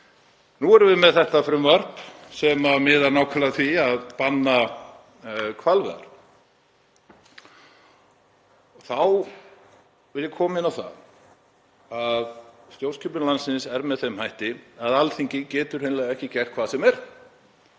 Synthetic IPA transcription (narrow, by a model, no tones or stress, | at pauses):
nuɛɾvɪðmɛðθɛht̪afɾʏmvar̥psɛmamɪðaɾnaːwkʰalaθiaðpanːa | kʰvalvɛ̰ða̰ɾ̥ | θaw | vɪljɪkʰɔːmahɪnawθa̰ | aðst̪jowlscʰʏpʏnlansɪnsɛɾmɛðθejmhajht̪ɪaðalθiɲcɪcɛːt̪ʏɾhejnlɛɣɛhcɪcɛr̥t̪̚kʰvaːðsɛmɛɾ̥